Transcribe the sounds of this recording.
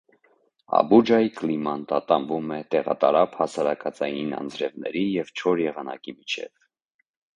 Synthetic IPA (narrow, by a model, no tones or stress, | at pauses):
ɑ̰bud͡ʒɑjiklimɑnt̪ɑt̪ɑmbumɛt̪ɛʁɑ̰t̪ɑɾɑphɑsɑɾɑkɑt͡sɑjinɑ̰nd͡zɾɛvnɛ̰ɾijɛvt͡ʃʰɔɾjɛʁɑnɑ̰kimit͡ʃʰɛ̰v